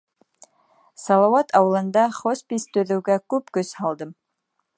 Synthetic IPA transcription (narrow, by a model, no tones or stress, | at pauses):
sɑlˠɑwɑt̪ʰɑwɤ̆lˠɤ̆nd̪ɑχospʲist̪ɵ̆ðɘ̆wɡækʉpkɵshɑlˠd̪ɤm